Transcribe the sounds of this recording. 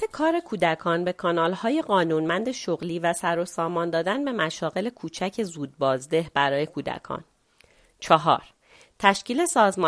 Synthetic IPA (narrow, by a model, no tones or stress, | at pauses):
ekʰɒːɾe̞kʰuːd̪ækʰɒːnbe̞kʰɒnɒːlhɒːje̞ɢɒːnuːnmænd̪e̞ʃoɣliːvæsæɾosɒːmɒːnd̪ɒːd̪ænbe̞mæʃɒːɣe̞le̞kʰuːt͡ʃʰæcʰe̞zuːd̪̚bɒːzd̪e̞ɦbæɾɒːje̞kʰuːd̪æ̰kʰɒ̰ːn | t͡ʃʰɒɦɒ̰ːɾ | t̪ʰæʃciːle̞sɒːzmɒ